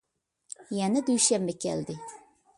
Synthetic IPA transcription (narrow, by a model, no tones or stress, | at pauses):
jɛnɛd̪yjʃɛmbɛkʲʰɛ̰ld̪ɪ